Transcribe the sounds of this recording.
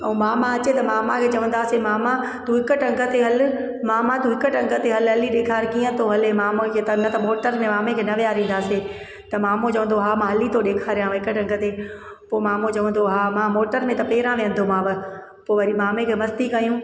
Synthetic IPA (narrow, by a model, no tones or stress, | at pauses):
ɐũːmaːmãɐt͡ɕet̪ɐmaːmãkʰeːt͡ɕɐʋə̃nd̪aːsemaːma | t̪uɦɪkəʈɐ̃ŋɡʱə̆t̪eɦɐlɪ̆ | mãːmãt̪uːɦɪkəʈɐ̃ŋɡʱət̪eɦɐlɦɐliɗeːkʰaːɾkiːə̃t̪ʰoɦɐlemaːmokʰet̪ɐnɐt̪ɐmoːʈəɾmẽmaːmẽkʰeːnɐʋijaːɾĩːnd̪aːse | t̪ɐmaːmõt͡ɕɐʋə̃n̆d̪oɦaːmãːɦɐlit̪ʰoɗeːkʰaːɾjãʋɐɦɪkəʈɐ̃ŋɡət̪e | poːmaːmot͡ɕɐʋə̃nd̪oɦaːmãːmoːʈəɾmẽt̪ɐpeːɾãʋẽə̃nd̪omãːʋɐ | poːʋɐɾimaːmẽkʰeːmɐst̪ikɐjũː